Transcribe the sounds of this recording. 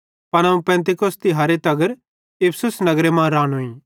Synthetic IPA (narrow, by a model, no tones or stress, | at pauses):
pɐñɐũpɛ̃ːnt̪̬ɪkost̪iɦɐːɾet̪ɐɡəɾ | ɪpʰsʊsnɐɡɾemãːɾaːnɦũĩː